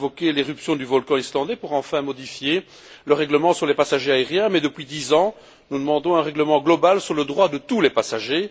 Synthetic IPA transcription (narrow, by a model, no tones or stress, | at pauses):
vɔkeleʁypsjɔ̃d̪yvɔlkɑ̃islɑ̃d̪epuʁɑ̃fɛ̃mɔd̪ifje | ləʁɛɡləmɑ̃syʁlepasaʒeaeʁjɛ̃mɛd̪əpɥid̪izɑ̃ | nud̪əmɑ̃d̪ɔ̃ɛ̃ʁɛɡləmɑ̃ɡlɔbalsyʁləd̪ʁwad̪ət̪ulɛpasaʒe